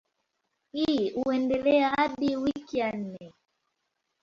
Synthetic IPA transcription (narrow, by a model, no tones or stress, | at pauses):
hiuɛndɛlɛaaɗiwikijan̩nɛ